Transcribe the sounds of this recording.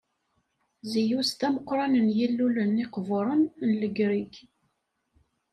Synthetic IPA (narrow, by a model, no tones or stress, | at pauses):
zijust̪æməqːɾˤɑnənjilːulənːiqvʊɾˤənnləɡɾiɡ